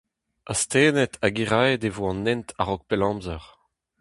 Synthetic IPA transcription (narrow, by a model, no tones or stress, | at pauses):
ast̪eːnɛt̪ʰaɡiʁaedevoɑ̃nːɛnt̪ʰaʁɔk̚pelɑ̃ːmzɛʁ